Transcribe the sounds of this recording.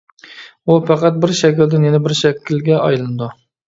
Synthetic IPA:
upʰɑqɑt̪̚bɪɾʃɛkʲɪld̪ɪnjenɪbɪɾʃɛkʲʰːɪlɡʲɛʔɑjlˠɨnɨd̪u

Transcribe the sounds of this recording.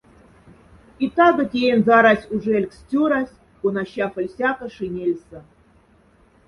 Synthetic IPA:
it̪ɑɡɤ̆tʲejenʲzɑɾɑsʲuʐelʲkstʲuɾɑsʲ | kunɑɕɑfə̆lʲsʲɑkɤ̆ʂɨnʲelʲsə̆

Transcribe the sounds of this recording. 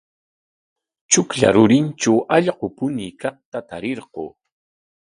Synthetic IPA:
t͡ʃʊkʎa̰ɾʊɾɪnt͡ʃawʔɑʎɢopʊniːkɑχt̪at̪aɾeɾɢoː

